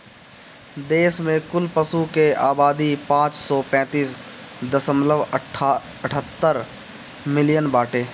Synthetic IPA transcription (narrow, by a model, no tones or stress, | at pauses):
d̪eːsmẽkʊlpəsukeaːbaːd̪ipãːt͡ʃsɔːpɛ̃ːt̪iːsd̪əsəmləʋ | əʈʰət̪ːəɾ | mɪlɪjənbaːʈeː